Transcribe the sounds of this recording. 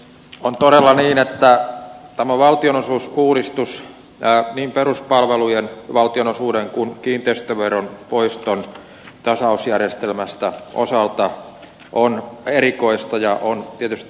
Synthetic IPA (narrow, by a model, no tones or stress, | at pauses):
ont̪oɾelːɑniːnet̪ːæt̪æmæʋɑlt̪ionosuːsuːɾist̪us | niːmperuspɑlʋelujenʋɑlt̪ionosuːdeŋkunkiːnt̪eist̪øʋeronpoist̪on | t̪ɑsɑusjærjest̪elmæst̪æʔo̰sɑlt̪ɑ | ʔonerikoist̪ɑjɑʔont̪iet̪yst̪